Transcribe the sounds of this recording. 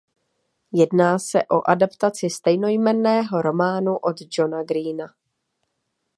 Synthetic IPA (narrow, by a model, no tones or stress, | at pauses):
jɛdnaːsɛʔo̞ʔadapt̪at͡sɪst̪ɛjno̞jmɛnːɛːɦo̞ɾo̞maːnuʔo̞d̪d͡ʒo̞naɡɾiːna